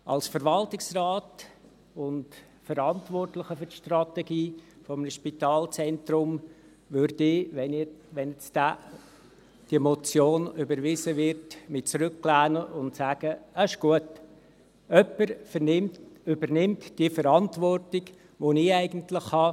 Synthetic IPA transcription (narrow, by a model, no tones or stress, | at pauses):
ʔɑ̰lsfəɾʋɑltɪksrɑːt | ʊnt | fəɾɑntʋɔrtlɪχəfʏrʃtrɑtɛɡiː | fɔmnəʃpitɑːlt͡sɛntrʊm | vørd̥ɪʋɛnʋɛnɛt͡stæː | d̥iəmɔt͡sjoːnʏbəɾʋɪzəʋɪrtmɪt͡sɾʏkklæːnəʔʊntsæːɡ̥əəɪʃɡ̥uət | œpːəɾnɪmʏbəɾnɪmtd̥iəfəɾɑntvɔrtɪɡ | ʋonɪæɪɡən̩tlɪχhɑ